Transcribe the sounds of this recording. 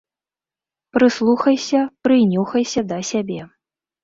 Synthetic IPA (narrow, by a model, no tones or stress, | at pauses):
pɾɨslˠuxɐjsʲɐpɾɨjnʲuxɐjsʲɐd̪ɐsʲabʲɛ